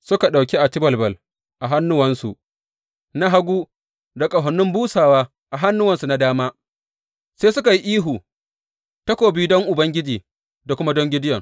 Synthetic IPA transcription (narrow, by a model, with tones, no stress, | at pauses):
sʊ˦ka˨ɗa˨wkʲi˦ʔa˨tɪ˦bɐ˨lbɐ˨l | ʔa˨ɦa˦nːʊ˦wɐ˨nsṵ˨ʔ | na˦ɦa˦ɡʷuː˦ | da˨kʼa˨ɦɔ˨nːʊ˦mbuː˦saː˨waː˦ | ʔa˨ɦa˦nːʊ˦wɐ˨nsu˨na˨daː˦maː˦ | se˦sʊ˦ka˨ji˦ʔiː˦ɦuː˨ | ta˦kʷoː˨biː˦dɔ˦ŋʔʊ˨bɐ˦ŋɡʲɪ˦d͡ʒiː˨ | da˨kʷʊ˦ma˦dɔ˦ŋɡʲɪ˦dɪ˦jɔ˨ŋ